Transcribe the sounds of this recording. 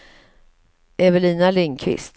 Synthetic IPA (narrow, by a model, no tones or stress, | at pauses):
ʔɛvəliːnalɪŋkʰvɪ̰st̪